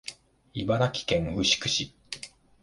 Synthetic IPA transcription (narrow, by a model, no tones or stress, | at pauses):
ibanakʲi̥kẽ̞ŋhɯ̟ɕi̥kɯ̟̥ɕi